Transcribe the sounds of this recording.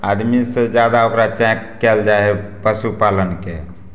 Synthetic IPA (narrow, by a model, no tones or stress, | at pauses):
ad̪mised͡ʒjad̪aokɾat͡ʃɛ̃kːɛld͡ʒaepəsupalənke